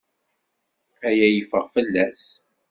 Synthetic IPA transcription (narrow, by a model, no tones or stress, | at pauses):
æjæjəfəʁfəlːæs